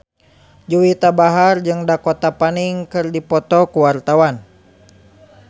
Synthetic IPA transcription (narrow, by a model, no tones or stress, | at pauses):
d͡ʒuwit̪abaɦard͡ʒɨŋdakɔt̪apaniŋkɨrdipɔt̪ɔkuwart̪awan